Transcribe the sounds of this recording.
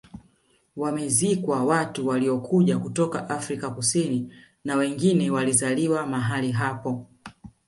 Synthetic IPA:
wamɛzikwawatuwaliɔkʰuʄakutɔkaʔafɾikakusini | nawɛŋɡinɛwalizaliwamaɦaliɦapɔ

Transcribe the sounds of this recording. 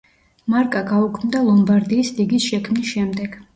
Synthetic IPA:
maɾkʼaɡaukʰmd̪alˠɔmbaɾd̪iːsliɡisʃɛkʰmisʃɛmd̪ɛɡ̥

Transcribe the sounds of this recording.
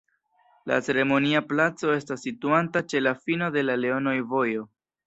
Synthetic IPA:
la̰t͡se̞ɾe̞mo̞niaplat͡so̞e̞stasːituantat͡ʃe̞lafino̞de̞lale̞o̞nojvo̞jo̞

